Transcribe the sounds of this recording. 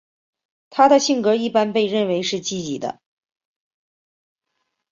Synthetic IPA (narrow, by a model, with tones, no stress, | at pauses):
t̪ʰa˥d̪ə˨ɕi˥˩ŋkɤ˧˥i˥˩pa˥npe˥˧ɪɻə˥˩nwe˧˥ɪʂɻ̩˥˧t͡ɕi˥˩t͡ɕi˨˩d̪ə̰˦